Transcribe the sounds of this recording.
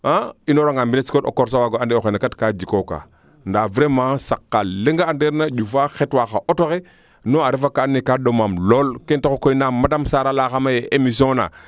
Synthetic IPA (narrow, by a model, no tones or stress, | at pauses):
ainoɾaŋɡambineskoto̰koɾs̬awaɡoandeoxenakatkad͡ʒikoka̰ | ndavɾemãsakːaleŋɡaːndeɾnad͡ʒufaxetwaxaʔotoɣe | noaɾifakaːnːikaɗomamlolkentokokoinamadamsaɾalaxamajeʔemis̬õna̰